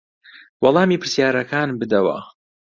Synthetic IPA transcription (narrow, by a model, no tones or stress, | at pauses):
wɑlˠɑːmiːpʰɨɾsjaːɾɐkaːnbɨd̪ɐwɐ̰